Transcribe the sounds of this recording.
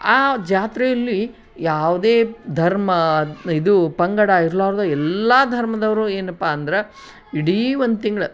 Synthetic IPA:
aːd͡ʒaːt̪ɾɛjɐlːi | jaːʋud̪eːd̪ʱɐɾmɐid̪upɐŋɡɐɽaiɾlaːɾd̪uɛlːɐd̪ʱɐɾmɐd̪ɐʋɐɾueːnɐpːaːnd̪ɐɾe | iɽiond̪ut̪iŋɡɐɭɐ

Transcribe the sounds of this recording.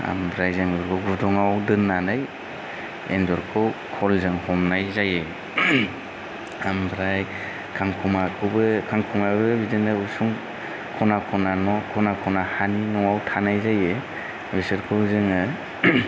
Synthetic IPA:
a̰mbɾajzaŋdɔɾkʰɯwɡudɔŋawdɯnːanaj | ḛndɔɾkʰɯwkʰɔlzɯŋhɔmnajzajɯ | ambɾaj | kʰaŋkʰumakʰɔbɯkʰaŋkʰuŋabɯbidɯnɯusuŋ | kʰɔnakʰɔnanɔkʰɔnakʰɔnahaninɔŋawtʰanajzajɯ | bisɯɾkʰɯwzɯŋɯ

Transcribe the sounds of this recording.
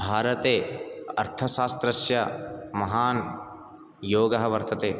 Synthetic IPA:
bʱaːɾɐt̪eːɐ̰ɾt̪ʰɐʃaːst̪ɾɐʃjɐmɐɦaːn | joːɡɐɦɐʋɐɾt̪ɐt̪eː

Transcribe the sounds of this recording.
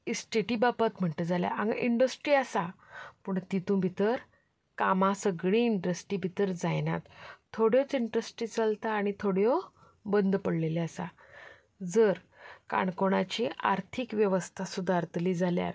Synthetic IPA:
isʈeʈibapat̪m̤əɳt̪əd͡zalja̰ʔaŋɡʔiɳɖəsʈɾiːasapəːɳt̪it̪ũbʱit̪əɾ | kamasəɡɭiːɳʈɾəsʈiːbʱit̪əɾd͡zajna̰t̪ʰːoɽjɔt͡siɳʈɾəsʈɾiːt͡səlt̪ʰaːɽ̃it̪ʰoɽjɔ | bənd̪pəɽleleasa̰ | d͡zəɾ | ka̰ɳkoɽ̃at͡ɕia̰ɾt̪ʰikʋjəʋəst̪ʰasud̪ʱaɾt̪ʰliːd͡zalja̰ɾ

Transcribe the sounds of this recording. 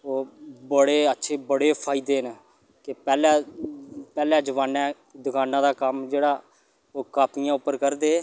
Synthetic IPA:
oːbəɽeːətːʃʰeːbəɽeːpʰaːɪd̪eːn | kɪpɛːlɛː | pɛːlɛ̃ːd͡ʒəʋaːnɛ̃ː | d̪ʊkaːnãːd̪aːkəmd͡ʒeːɽaː | oːkaːpɪjãːʊpːəɾkəɾd̪eː

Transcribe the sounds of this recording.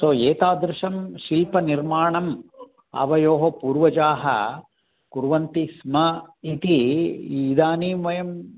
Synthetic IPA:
soːeːt̪aːd̪ɾɪʃɐmʃilpɐniɾmaːɳɐm | ɐ̰ʋɐjoːɦɐpuːɾʋɐd͡ʒaːɦɐ̰ | kuɾʋɐnt̪ismɐit̪iː | d̪aːniːmʋɐjɐm

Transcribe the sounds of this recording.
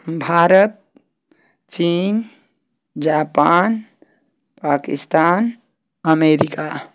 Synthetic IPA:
bʱaːɾət̪̚ | t͡ʃin | d͡ʒaːpaːn | paːkḭst̪aːn | əmeɾika

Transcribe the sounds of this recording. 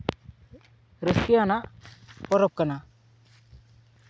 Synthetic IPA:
ɾəskianapɔɾɔp̚kɐna

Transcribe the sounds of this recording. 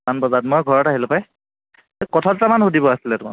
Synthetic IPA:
anbɔzatmɔjɡʱɔɹɔtaɦilʊpaj | kɔtʰɔttamanhudʱibɔasilɛtʊma̰

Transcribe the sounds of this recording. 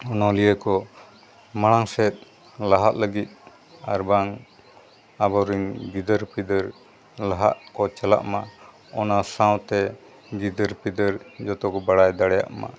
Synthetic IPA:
ɔnɔlijəkɔ | maɽ̃aŋsɛt̪̚ | laɦaʔ̪ləɡit̪̚ˀ | a̰ɾbaŋ | abɔwɾiŋɡid̪əɾpid̪əɾ | laɦa̰ʔkɔt͡ʃɛla̰ʔma | ɔnasawt̪ɛ | ɡid̪əɾpid̪əɾd͡ʒɔt̪ɔkɔbaɽajd̪aɽɛja̰ʔma̰

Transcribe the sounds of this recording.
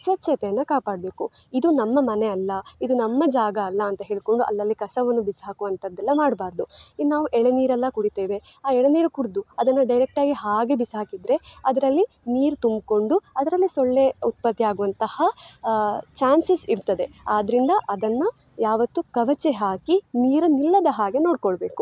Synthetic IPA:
sʋɐtːʃɐt̪ɛjɐnːɐkaːpaːɽɐbe̞ːku | id̪unɐmːɐmɐneɐlːɐid̪unɐmːɐd͡ʒaːɡɐːlːɐːnt̪ɐɦe̞ːɭiko̞ɳɖuʔɐ̰lːɐlːikɐsɐʋɐnːubisɦaːkuʋɐnt̪ʰɐd̪ːɛlːɐmaːɖbaːɾd̪uinaːʋuʔɛɭɐniːɾɐlːɐkuɽit̪eːʋe̞ | aːɛɭɐniːɾɐkuɽd̪uɐd̪ɐnːɐɖɐjɾek̚ʈaːɡiɦaːɡe̞bisɦaːkid̪ɾe̞ɐd̪ɐɾɐlːi | niːɾt̪umbko̞ɳɖuɐd̪ɐɾɐlːisoɭːe̞ut̪̚pɐt̪ːjaːɡuʋɐnt̪ɐhɐ | t͡ʃaːnsisiɾt̪ɐd̪e̞aːd̪ɐɾind̪ɐʔɐd̪ɐnːɐ | jaːʋɐt̪ːukɐʋɐt͡ʃeɦaːkiniːɾunilːɐd̪ɐɦaːɡe̞no̞ːɖkoɭɐbe̞ːku

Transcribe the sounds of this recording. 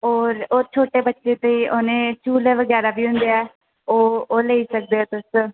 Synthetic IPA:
ɔːɾoːt͡ʃʰoːʈeːbətːʃeːt̪eiːʔoːnẽːt͡ʃuːleːʋəɡɛːɾaːbiːɦʊ̃nd̪eːɛː | oːoːləiːsək̚d̪eːoːt̪ʊs

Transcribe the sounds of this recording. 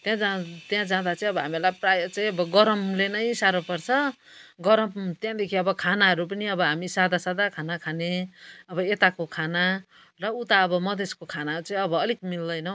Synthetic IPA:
t̪jãd͡zat̪jãd͡zãd̪at͡sʌĩʌbʌɦamilajprajʌt͡sʌĩʌbʌɡʌɾʌmlenʌj̃saɾopʌrt͡sʰʌ | ɡʌɾʌmt̪jãd̪ekʰiʌbʌkʰanaɦʌɾupʌniʌbʌɦamisad̪ʱasad̪akʰanakʰaneʌbʌet̪akokʰana | rʌut̪aʌbʌmʌd̪ʱeskokʰanaɾut͡sʌĩʌbʌːlik̚mild̪ʌjnʌ

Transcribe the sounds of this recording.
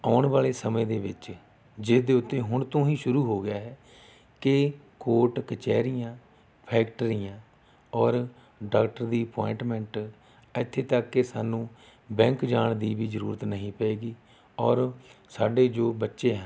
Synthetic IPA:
aːɳʋaːleːsəmẽːd̪eːʋɪt͡ʃ | d͡ʒɪsd̪eːʊt̪ːeːɦʊɳt̪õːɦĩːʃʊɾuːɦoːɡɪjaːɦɛː | kɪ | koːɾʈkət͡ʃɛ̰ːɾɪjãː | pʰɛːkʈəɾijãː | ɔːɾ | ɖaːk̚ʈəɾd̪iːəpɔːɪɳʈmɛ̃ːɳʈ | ɪt̪ʰːeːt̪əkːesaːnũː | bɛ̃ːŋkd͡ʒaːɳd̪iːʋiːzəɾṵːɾət̪nəɦĩːpɛeːɡiː | ɔːɾsaːɖeːd͡ʒoːbətːʃeːɦ

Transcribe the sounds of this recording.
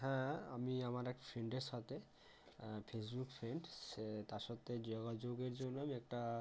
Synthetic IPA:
ɦɛ̃a̰miamaɾɛk̚ʈḁfʰɾeɳɖeɾʃat̪e | pʰesbukfʰɾeɳɖet̪aɾʃɔt̪ːed͡ʑɔɡad͡ʑoɡeɾd͡ʑonːoamiɛk̚ʈa

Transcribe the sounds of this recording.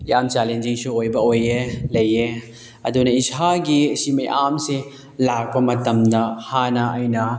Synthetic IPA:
iʔamt͡ʃalend͡ʒiŋsuojbɐojelɐje | ɐdunɐisʰaɡisimɐḭʔamsi | lak̚bɐmɐtɐmdɐhanɐɐjnɐ

